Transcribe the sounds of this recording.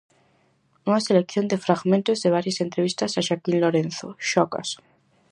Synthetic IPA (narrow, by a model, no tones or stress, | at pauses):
unaselekθjo̞nd̪efɾaɣmẽnt̪ozðeβ̞aɾjasent̪ɾeβ̞ist̪asaʃakinloɾenθo̰ʃoka̰s